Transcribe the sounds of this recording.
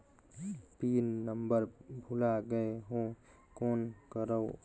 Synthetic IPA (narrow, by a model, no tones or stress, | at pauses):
pinnəmbəɾbʱulaɡəeɦõ | konkəɾəw